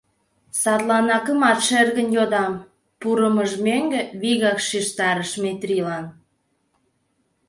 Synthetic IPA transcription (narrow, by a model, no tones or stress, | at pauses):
sɑt̪lɑnɑkə̆mɑt̪ʃerɣənjod̪ɑm | puɾəməʒmeŋɡeβiɣɑkʃiʃt̪ɑɾəʃmet̪rilɑn